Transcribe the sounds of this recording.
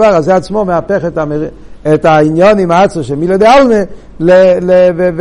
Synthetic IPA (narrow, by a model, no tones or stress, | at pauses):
vaʁazeat͡smomeapɛχɛtam | ɛtainjɔnimaat͡soʃɛmiled̪ealˠne | lelev